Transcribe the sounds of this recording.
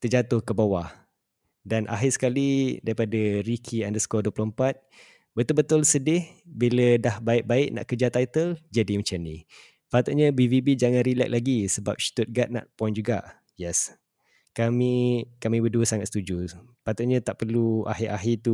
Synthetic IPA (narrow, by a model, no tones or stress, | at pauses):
t̪ərd͡ʒat̪ʊhkəbawah | danʔa̰ɦɪsə̥kalidaɾipadaɾikʰiandəsə̥kɔduəploəmpat̪̚ | bət̪ʊlbət̪ʊlsədɪhbilədahbaɪʔ̚baɪʔ̚nã̰ʔkəd͡ʒat̪ːajt̪əld͡ʒadimə̃t͡ʃanĩ | fat̪ʊt̪̚ɲabivibid͡ʒaŋãnɾilɛ̰k̚laɡisəba̰p̚ʃi̥t̪ʊt̪̚ɡat̪̚na̰ʔpɔjnd͡ʒuɡa̰ʔ | jɛs | kamikamĩbəduəsaŋat̪st̪ud͡ʒufat̪ʊʔ̪̚ɲat̪aʔpərlua̰ɦɪʔaɦit̪u